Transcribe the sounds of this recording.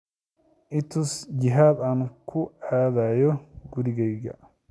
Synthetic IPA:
ʔɪt̪ʰʊsd͡ʒɪɦaːd̪aːnkʰʊaːðaːjɔɡʊɾɪɣɛjɣɐ̰

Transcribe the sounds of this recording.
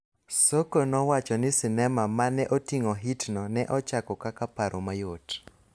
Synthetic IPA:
sokonɔwat͡ʃɔnɪsɪnɛmamanɛʔotiŋɔɦitnɔnɛʔɔt͡ʃakɔkakapaɾʔomajot

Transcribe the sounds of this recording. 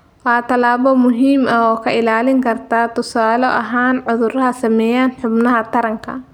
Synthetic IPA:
wɑat̪ʰɐlaːβɔmʊɦiːmɐɔːkʰɐɪlaːlɪŋkʰɐrt̪ʰaːt̪ʊsaːlɔʔɐɦaːnʕʊðʊɾɐɦɐsɐmɛːjaːnħʊbnɐɦɐt̪ʰɐɾɐŋkʰɐ̰

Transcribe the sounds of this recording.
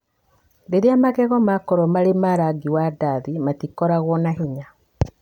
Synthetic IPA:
deɾeamaɣɛɣɔmakɔɾɔmaɾemaɾaɡiwadaðimatikɔɾaɣwɔnaɦeɲa

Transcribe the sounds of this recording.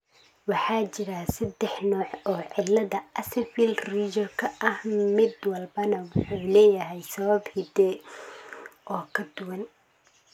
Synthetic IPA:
wɑħɑːt͡ʃɪɾasɐd̪ɛħnɔːʕɔːʕɪlːɐðɐʔɐsɛfilriːd͡ʒɔrkʰɐʔɐhmɪd̪wɐlbɐnɐwʊħuːlɛːjɐɦɛjsɐβɐbhɪd̪ɛ | ʔɔːkʰɐd̪ʊwɐn

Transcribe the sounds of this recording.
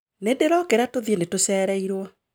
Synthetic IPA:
nedeɾɔkeɾatoðienetosɛːɾɛiɾwɔ

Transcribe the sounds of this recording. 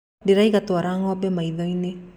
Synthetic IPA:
diɾaiɣatoaɾaŋɔbɛmaiðɔine

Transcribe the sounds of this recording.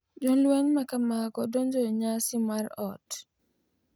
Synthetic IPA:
d͡ʒɔlweŋmakamaɡɔdɔnd͡ʒɔɲasɪmaɾɔt

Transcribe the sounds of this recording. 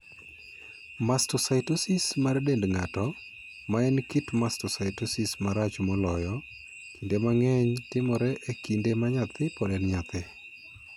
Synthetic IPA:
mastɔsaɪtosɪsmaɾdendŋatɔ | maɛnkitmastɔsaɪtosɪsmaɾat͡ʃmɔlɔjɔ | kindemaŋɛɲtɪmɔɾɛʔekindemaɲat̪ɪpɔdɛnɲat̪ɪ

